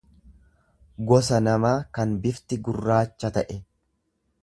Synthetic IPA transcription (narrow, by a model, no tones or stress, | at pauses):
ɡɔsɐnɐmaːkɐnbɪft̪ɪɡʊrːaːt͡ʃːɐt̪ɐʔɛ